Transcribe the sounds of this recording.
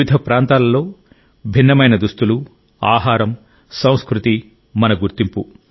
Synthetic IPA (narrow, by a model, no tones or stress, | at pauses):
id̪ʱɐpɾaːnt̪aːlɐlːo̞ː | bʱinːɐmɐjnɐd̪ust̪ulu | a̰ːɦaːɾɐm | sɐ̃w̃skɾut̪i | mɐnɐɡuɾt̪impu